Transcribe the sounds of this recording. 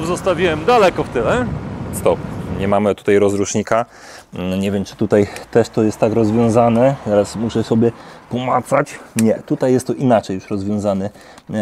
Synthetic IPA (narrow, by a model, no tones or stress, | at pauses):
zɔst̪avʲiwɛmd̪alɛkɔft̪ɘlɛst̪ɔp̚ɲɛmamɘt̪u̥t̪ajɾɔzɾuʂɲika | ɲɛvʲjɛmt͡ʂɘ̥t̪ut̪ajt̪ɛʂt̪ɔjɛst̪ːakɾɔzvʲjɔ̃w̃zanɛzaɾasmuʂɛsɔbʲjɛpɔmat̪sat͡ɕɲɛt̪ut̪ajːɛst̪ːɔʔinat͡ʂɛjuʂɾɔzvʲjɔ̃w̃zanɛ